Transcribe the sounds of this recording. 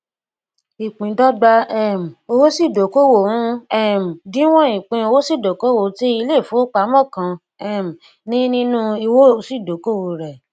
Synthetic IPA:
i˨k͡pĩ˨dɔ˦ɡ͡ba˧ɛ˨m̩˨o˧wo˦si˦˨do˨˦ko˦wo˦˨ũ˦ɛ˦˨m̩˨dĩ˨˦w̃ɔ̃˦ĩ˨k͡pĩ˧o˧wo˦si˦˨do˨ko˦wo˦˨˦ti˦i˧le˦˨fũ˨˦o˦k͡pa˨˦mɔ̃˦˨kã˨˧ | ɛ˦˨m̩˨ | nĩ˦nĩ˦nũ˦i˧wo˦˨˦si˦˨do˨˦ko˦˨wo˨ɾɛ˨

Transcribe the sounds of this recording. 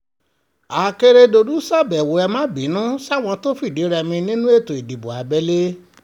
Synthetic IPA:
a˨ke˧ɾe˧do˧du˦sa˦˨bɛ˨wo˨˦ɛ˧mã˦bi˨˦nũ˦sw̃ɔ̃˧to˦fi˦˨di˨˦ɾɛ˧mĩ˧nĩ˦nũ˦e˦˨to˨i˨di˨bo˨a˨˦bɛ˦le˦

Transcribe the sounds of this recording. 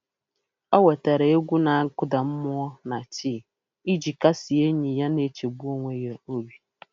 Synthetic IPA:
ɔ˦wɛ˨ta˨ɾe˨e˦ɡʷu˦na˨ŋ̩˦kʊ˦da˨m̩˦mʊ˦ɔ˦na˨tʰiː˦˨ | i˦d͡ʒi˨ka˦sɪ˨e˦ɲi˨ja˦ne˦t͡ʃe˨bu˦o˦ŋʷe˦je˨o˦bi˦

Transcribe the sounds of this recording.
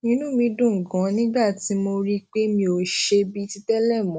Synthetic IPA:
nĩ˧nũ˦mĩ˧dũ˦˨ŋ̩˨ɡã˨˦nĩ˦ba˦˨ti˨˦mo˧ɾi˦k͡pe˦mĩ˧o˧ʃe˧bi˦ti˧˦tɛ˦lɛ˦˨mɔ̃˨˦

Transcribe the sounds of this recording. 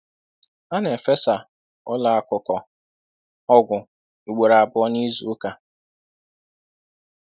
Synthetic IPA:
a˦ne˨fe˦sa˨ | ɔ˦la˨a˨kʊ˨kɔ˨ | ɔ˦ɡʷʊ˨ | u˨ɡ͡be˨ɾa˨a˨bʊ˦ɔ˦ni˦zu˨˦ka˨

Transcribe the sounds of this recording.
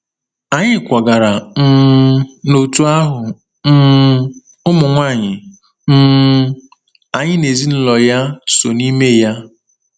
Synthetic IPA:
a˨ɲɪ˦kʷa˨ɡa˨ɾa˨m̩˦no˨tu˦a˦ɦʊ˨ | m̩˦ | ʊ˦mʊ˨ŋʷa˦˨ɲɪ˨ | m̩˦ | a˨ɲɪ˦ne˨zi˦n̩˦lɔ˨ja˦so˨ni˦me˦˨ja˦

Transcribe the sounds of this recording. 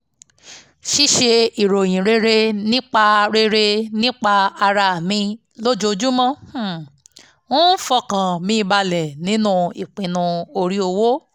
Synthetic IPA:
ʃi˦ʃe˧i˨ɾo˨j̃ĩ˨ɾe˧ɾe˧nĩ˦k͡pa˧ɾe˧ɾe˧nĩ˦k͡pa˧a˧ɾa˧a˨mĩ˧ | lo˦d͡ʒo˧d͡ʒu˦mã˦˨ | wõ˦n̩˦fɔ˧kã˨mĩ˧ba˧lɛ˨nĩ˨˦nũ˦˧i˨k͡pĩ˨nũ˧o˧ɾi˨˦o˧wo˦

